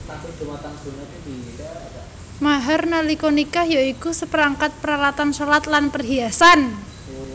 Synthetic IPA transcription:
tasud̥umat̪anbunadi | maɦarnalikonikahjaikusəpəɾaŋkat̪̚pəɾalat̪ansolat̪lanpərɦiasan

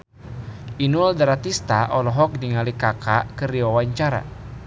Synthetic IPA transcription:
ʔinuldaɾat̪ist̪aʔɔlɔɦɔk̚diŋalikakakəɾiwawaɲt͡ʃaɾa̰

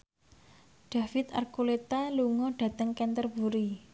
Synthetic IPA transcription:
ɖ̥ä̤fɪt̪a̰rkulet̪aluŋɔɖ̥ä̤d̪əŋkɛnt̪ərbuɾi

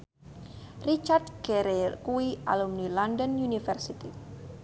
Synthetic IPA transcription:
rit͡ʃardɡ̥ɛɾekuia̰lumnilɔndənjunifɛrsit̪i

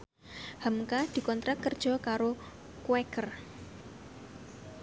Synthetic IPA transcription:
hamkad̪̥i̤kɔnt̪ɾat̪̚kərd̥ʒ̥ɔ̤kaɾo | kuwɛkər

